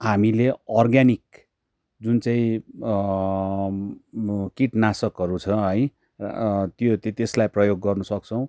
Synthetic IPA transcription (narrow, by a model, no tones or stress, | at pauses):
ɦamileʌrɡanik̚ | d͡zunt͡saĩ | kiʈnasʌkɦʌɾut͡sʰʌɦʌj | t̪jot̪et̪eslajprʌjoɡːʌrnusʌk̚t͡sʰʌw̃